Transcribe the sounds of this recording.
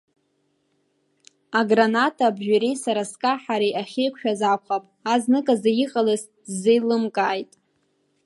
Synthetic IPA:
aɡranatʰabʒᶣaɾejsaɾaskʼaħaɾejʔaχʲejkʷʃᶣazakʷʰχapʼaznɨkʼazajiqʼalɨs | dzejlɨmkʼaːjtʼ

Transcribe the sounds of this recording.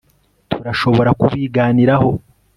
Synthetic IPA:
tʰuɾaʃo̞βo̞ɾakuβiːɡaːniɾaho̞

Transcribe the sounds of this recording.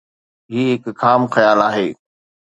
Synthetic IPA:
ɦiːɦɪkkʰaːmxɐjaːlaːɦeː

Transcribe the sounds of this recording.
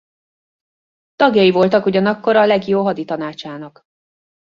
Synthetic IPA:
t̪ɒɡjɒivo̞lt̪ɒkuɟɒnɒkːo̞ɾɒlɛɡjoːɦɒd̪it̪ɒnaːt͡ʃaːnɒk

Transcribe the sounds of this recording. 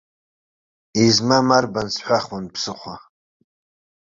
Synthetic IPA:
izmamarbansħʷaχwanpʰsɨχʷa

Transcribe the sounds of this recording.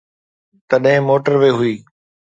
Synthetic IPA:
t̪ɐɗɦɪ̃moːʈəɾʋeːɦʊiː

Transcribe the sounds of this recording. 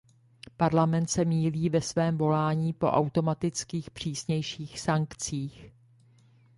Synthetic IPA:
paɾlamɛnt̪sɛmiːliːvɛsvɛːmvo̞laːɲiːpo̞̰ʔawt̪o̞mat̪ɪt͡skiːxpr̝̥iːsɲɛjʃiːxsaŋkt͡siːx

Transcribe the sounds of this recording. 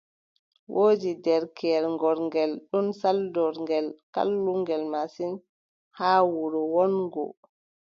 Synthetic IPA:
wʔoːd͡ʒidɛɾkʰɛɾŋɡɔɾŋɡɛlɗunsaldɔɾŋɡɛlka̰lːuŋɡɛlmasin | haːwuɾɔwɔnɡɔ̰

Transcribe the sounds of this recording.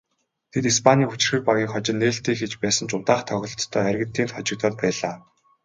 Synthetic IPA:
t̪ʰet̪ispʰanʲiːŋxut͡ɕɪ̆rxɘ̆k̚paɣʲiːkχɔt͡ɕɪ̆nːeːɬt̪iːxet͡ɕpæːsə̆nt͡ɕʊt̪aːχt̪ʰœɣʲɪ̆ɮt̪t̪ʰːœːærʲɣɘ̆nt̪ːiːnt̪χɔt͡ɕɪ̆k̚t̪ɔːt̪̚pæːɮaː

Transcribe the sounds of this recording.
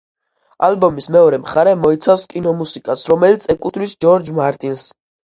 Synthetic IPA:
a̰lbɔmismɛɔɾɛmχaɾɛmɔit̪sʰafskʼinɔmusikʼasɾɔmɛlit̪sʰɛkʼut̪ʰlisd͡ʒɔɾd͡ʒmaɾt̪ʼins

